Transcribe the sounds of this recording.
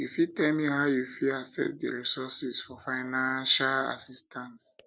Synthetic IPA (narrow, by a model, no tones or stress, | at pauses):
jufitɛlmihaʊjufiasɛ̰sdḭɹisɔsisfɔfaɪnãnʃala̰sistʰãns